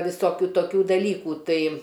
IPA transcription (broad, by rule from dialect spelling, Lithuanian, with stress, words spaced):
ʋʲɪsoːˈkʲuː toːˈkʲuː dɐˈlʲiːkuː ˈtɐɪ